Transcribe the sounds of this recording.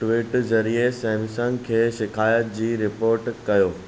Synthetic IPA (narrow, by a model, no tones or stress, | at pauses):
ʈʋɪːʈzɐɾiesɛ̃ːmsə̃ŋɡkʰeːʃɪkʰaːjət̪̚d͡ʑiːɾɪpoːɾʈkɐjoː